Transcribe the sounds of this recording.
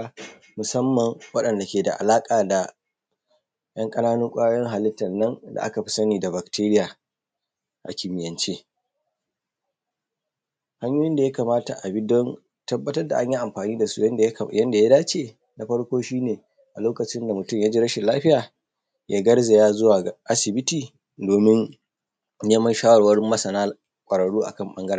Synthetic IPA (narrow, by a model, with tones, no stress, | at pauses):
mʊ˨sɐ˦mːɐ˨ŋwɐ˦ɗɐ˨nda˨kʲeː˨da̰˨ʔa̰˨laː˦kʼaː˨da˨ | j̰ɐ˦ŋkʼɐ˦naː˦nʊ˦ŋkʷʼaː˦jɔ˦ŋɦa˨lɪ˦tːɐ˨nːɐ˦nda̰˨ʔa̰˦ka˨ɸɪ̥˦sɐ˦niː˨da˨ba˨kteː˦ɾɪ˦jaː˨ | ʔa̰˨kʲɪ˨mɪ˨jɐ˨nt͡ʃeː˦ | ha˦ɲjoː˦jɪ˦nda˨ja˦kaː˨maː˦ta˨ʔa˨bi˦dɔ˦n | tɐ˦bːɐ˦tɐ˦rda˨ʔa˦ɲji˦ʔa˨mɸaː˨niː˦da˨sṵ˦jɐ˦jɐ˦nda˨ja˦daː˦t͡ʃeː˨ | na˨˦ɸɐ˦ɽkʷoː˦ʃiː˦neː˨ | ʔa˨loː˦kɐ˨t͡ʃɪ˦nda˨mʊ˨tʊ˦˨mja˦d͡ʒiː˦ɾɐ˦ʃɪ˨laː˦ɸɪ˦jaː˨ | jaː˦ɡɐ˦ɽze˨jaː˦zʊ˦waː˨ʔa˦sɪ˨bɪ˦tiː˨ | doː˨mɪ˦n | neː˦mɐ˦nʃaː˦wɐ˨rwɐ˦rmɐ˦sɐ˨naː˦ | kʷʼɐ˨ɽɐ˨ɽuː˦ʔa̰˨kɐ˦˨mɓɐ˦ŋɡɐ˦ɽa˦˨